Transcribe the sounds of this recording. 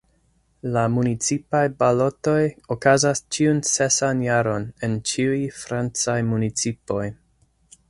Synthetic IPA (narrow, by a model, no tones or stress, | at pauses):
lamunit͡sipajbalo̞to̞jokazast͡ʃiunse̞sanjaɾo̞ne̞nt͡ʃiujfɾant͡sajmunit͡sipo̞j